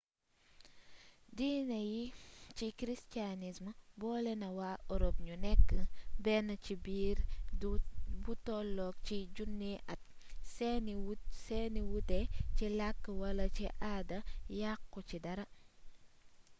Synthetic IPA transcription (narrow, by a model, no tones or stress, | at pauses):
dinɐjit͡ʃikɾistanismbɔːlɛnɐwaːɔɾop̚ɲunɛkːəbɛnɐcibiːɾ | butɔlːɔk̚t͡ʃiɟunːiʔɐt̚ | sɛnsɛniwutɛcilakːəwɐlɐt͡ʃiʔadɐjakːɔcidɐɾɐ